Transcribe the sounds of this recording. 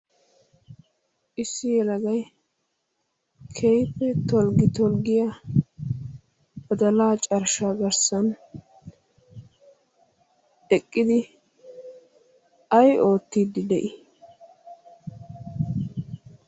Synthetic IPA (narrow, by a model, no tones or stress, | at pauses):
ʔɪsːɪjɛlɐɡɐj | kʰɛjpːɛt̪ɔlɡɪt̪ɔlɡɪja | b̥ɐd̪ɐlaːt͡ʃʼɐɾʃaːɡɐɾsɐn | ɛkʼːɪd̪ɪ | ʔɐjo̞ːt̪ːiːd̪ɪd̪ɛʔɪ